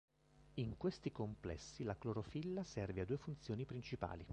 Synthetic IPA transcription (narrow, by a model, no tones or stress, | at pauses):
iŋkwest̪ikomplɛ̰sːilakloɾofilːasɛrvead̪uefunt̪sjoːnipɾint͡ʃipa̰ːli